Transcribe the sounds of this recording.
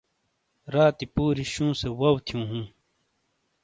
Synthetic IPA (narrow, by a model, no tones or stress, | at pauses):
ɾaːt̪ipuːɾiɕũːsewɐwt̪ʰijũːɦũː